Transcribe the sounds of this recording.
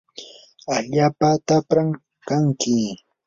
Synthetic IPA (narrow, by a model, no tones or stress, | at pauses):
aʎaːpat̪apɾaŋ | kaŋkɪ